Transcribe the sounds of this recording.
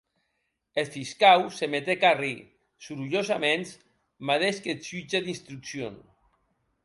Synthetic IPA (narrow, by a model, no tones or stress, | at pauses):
elfiskawsemet̪ekari | suɾuʎozamens | maðeʃkesyt͡ʃeðinst̪ɾuksjo̰n